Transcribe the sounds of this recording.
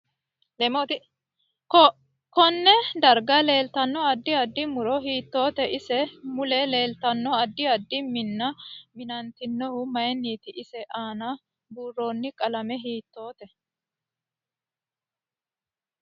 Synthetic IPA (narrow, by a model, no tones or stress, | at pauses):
lɛmot̪ | kɔnːɛd̪ɐɾɡɐle̞ːlt̪ɐnːɔɐd̪ːɪɐd̪ːɪmʊɾɔɦiːt̪ːo̞ːt̪ɛʔɪsɛmʊlɛle̞ːlt̪ɐnːɔɐd̪ːɪɐd̪ːɪmɪnːɐmɪnɐnt̪ɪnːɔhʊmɐjɛnːiːt̪ɪʔɪsɛʔaːnɐ | buːrːo̞ːnːɪkʼɐlɐmɛɦiːt̪ːo̞ːt̪ɛ